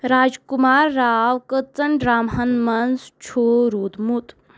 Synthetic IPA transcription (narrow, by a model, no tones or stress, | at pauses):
ɾaːd͡ʒkumaːɾːaːʋkət͡sɐɳɖɾaːmɦɐnmɐnzt͡ʃʰoːɾuːd̪mut̪